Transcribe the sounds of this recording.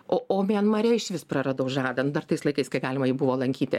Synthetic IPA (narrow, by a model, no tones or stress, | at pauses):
ʔoːoːmʲɛnmɐɾʲɛɪʃʲʋʲɪsprɐɾɐd̪oʊʒɑːd̪ɐnʊd̪ɐrt̪ɐɪslˠɐɪkɐɪskɐɪɡɑːlʲɪmɐjɛʊbʊʋoːlˠɐŋʲkʲiːt̪ʲɪ